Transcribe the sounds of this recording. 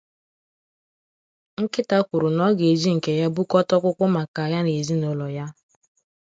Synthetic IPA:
ŋ̩˦kɪ˦ta˦kʷu˨ɾu˨nɔ˦ɡe˨zi˦ŋ̩˨ke˨ja˦bu˦kɔ˦tɔ˦kʷʊ˦kʷʊ˦ma˨ka˨ja˦n˨e˨zi˦no˨lɔ˨ja˦

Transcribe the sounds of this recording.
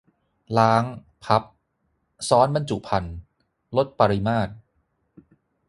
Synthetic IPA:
laː˦˥ŋ | pʰa˦˥p̚ | sɔː˦˥nba˧nt͡ɕṵ˨˩pʰa˧n | lo˦˥t̪̚pa˧ɾi˧maː˥˩t̪̚

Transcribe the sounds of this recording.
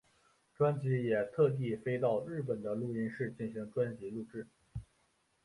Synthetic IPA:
ʈ͡ʂwa˥nt͡ɕi˧˥jɛ˨˩t̪ʰɤ˥˧t̪̬i˥˧fe˥ɪt̪̬ɑ˥˧ʊɻɻ̩˥˩p̬ə˨˩nd̪ə˦lu˥˩i˥nʂɻ̩˥˧t͡ɕi˥˩nɕi˧˥ŋʈ͡ʂwa˥nt͡ɕi˧˥lu˥˧ʈ͡ʂɻ̩˥˩

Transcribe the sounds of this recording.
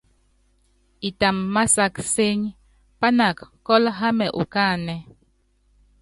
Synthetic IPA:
i˨ta˨mːa˦sa˦kse˦ɲ | pa˦na˨kkɔ˦lɦa˦mɛ˨ʔu˨ka˦˨nɛ˨

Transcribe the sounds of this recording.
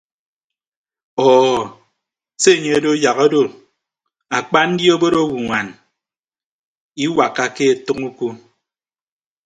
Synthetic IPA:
ɔː˨ | se˦˨ɲe˦e˦do˦ja˨ɣo˦do˦˨ | a˨k͡pa˦n̩˦dji˦o˦bo˦ɾo˦wu˨ŋʷa˨n | i˦wa˨kːa˦ke˦e˨tɨ˦ŋu˦ku˦

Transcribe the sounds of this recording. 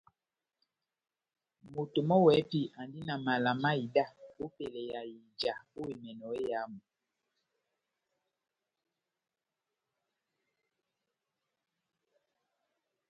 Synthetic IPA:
mo˨to˨mɔ˦wɛ˨˦pi˦a˨ndi˦na˨ma˨la˨ma˦i˨da˦o˦pe˨lɛ˨ja˨ji˨nd͡ʒa˨o˦we˨mɛ˨nɔ˨e˦ja˨˦mu˨

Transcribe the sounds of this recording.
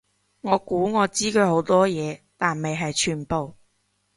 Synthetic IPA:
ŋɔː˨˧kuː˨˥ŋɔː˨˧t͡siː˥køː˨˧ho˨˧˥wt̪ɔː˥jɛː˨˧t̪aː˨nme˨jɦɐ˨jt͡ʃʰyː˨˩npo˨w

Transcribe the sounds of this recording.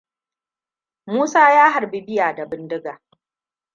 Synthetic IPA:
muː˦saː˦jaː˦ɦa˨rbi˦bɪ˦jaː˨da˨bɪ˦ndɪ˦ɡaː˨

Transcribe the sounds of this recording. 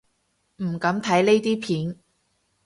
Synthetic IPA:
m̩˨˩kɐ˨˧˥mt̪ʰɐ˨˥jle˥jt̪iː˥pʰiː˨˥n

